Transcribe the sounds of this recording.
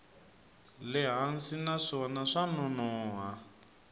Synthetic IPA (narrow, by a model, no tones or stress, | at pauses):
lɪɦan̩sinaʂɔnaʂanɔnɔːɦa